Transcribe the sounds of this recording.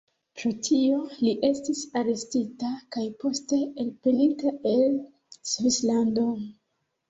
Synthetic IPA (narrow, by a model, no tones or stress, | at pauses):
pɾo̞tʰio̞liʔe̞stisaɾe̞stitakajpo̞ste̞ːlpe̞litae̞l | svislando̞